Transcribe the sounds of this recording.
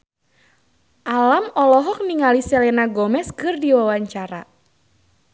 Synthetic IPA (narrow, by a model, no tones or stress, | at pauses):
ʔalamɔlɔɦɔk̚niŋalisɛlɛnaɡɔmɛskɨrdiwawaɲt͡ʃaɾa